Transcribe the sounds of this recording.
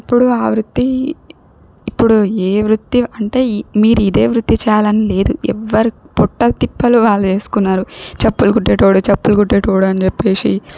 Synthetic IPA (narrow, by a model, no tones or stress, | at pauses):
ɐpːuɽuaːʋɾut̪ːi | pːuɽueːʋɾut̪ːiɐɳʈe̞ːmiːɾuid̪e̞ːʋɾut̪ːit͡ʃɛːjaːlɐnile̞ːd̪uɛ̰ʋːɐɾipɔʈːɐt̪ipːɐluʋaːɭːɐt͡ʃe̞ːsu̥kunːaːɾut͡ʃɐpːulkuʈːeʈoːɽut͡ʃɐpːulkuʈːeʈoːɽuɐnit͡ʃepːe̞ːʂḭ